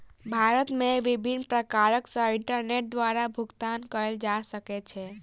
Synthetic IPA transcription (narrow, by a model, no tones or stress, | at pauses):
bʱaɾət̪meʋibʱinpɾəkaɾəksə̃iɳʈəɾneʈ̚d̪ʋaɾabʱuɡt̪ankəeld͡ʒasəket͡ʃʰɛ